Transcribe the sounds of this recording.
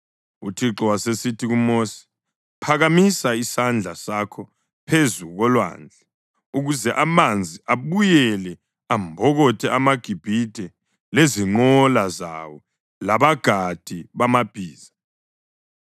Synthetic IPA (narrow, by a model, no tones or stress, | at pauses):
utʰiǁɔwasesitʰiɣumosi̥ | pʰaɣamisaisand͡ɮʱasakʰɔ | pʰezuɣɔlwa̰ːnd͡ɮʱa | uɣuzɛʔamand͡zʱiʔaβujɛlɛ | ambʱɔɣɔtʰɛʔamaɡ̥ʱib̥ʱid̥ʱɛ | leziŋ͡ǃɔlaza̰wɔ | laβaɡ̥ʱad̥ʱiβamab̥ʱiːza